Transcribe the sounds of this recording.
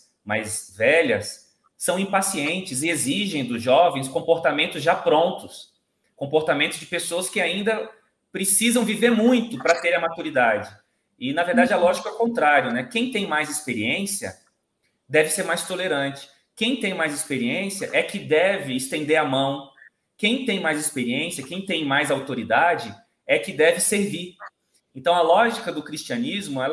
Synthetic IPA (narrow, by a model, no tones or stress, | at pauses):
ma̰jzvɛʎɐsː | ɐ̃w̃ĩpasiẽnt͡ʃɪzeziʒẽj̃d̪ʊzʒɔvẽj̃skõpoɾt̪amẽnt̪ʊzʒapɾõnt̪ʊs | kõpoɾt̪amẽt̪ʊzd͡ʒɪpesoɐskɪaĩnd̪ɐ | pɾɪsizɐ̃w̃viveɾmũj̃t̪ʊpɾɐt̪eɾ̃ɐmat̪uɾid̪ad͡ʒɪ | ɪnɐveɾd̪ad͡ʒɪalɔʒikɐɛwkõnt̪ɾaɾjʊnɛkẽj̃t̪ẽj̃majzɪspeɾiẽsiɐ̰ | d̪ɛvɪseɾmajst̪oleɾɐ̃nt͡ʃɪ̥ | kẽj̃t̪ẽj̃majzɪspeɾiẽsiɐʔɛkɪd̪ɛvɪːst̪ẽnd̪eɾɐmɐ̃w̃ | kẽj̃t̪ẽj̃majzɪspeɾiẽsiɐkẽj̃t̪ẽj̃majzawt̪oɾid̪ad͡ʒɪ | ɛkɪd̪ɛvɪseɾviɾ | ẽnt̪ɐ̃w̃ɐlɔʒikɐd̪ʊkɾist͡ʃiɐnizmʊɛl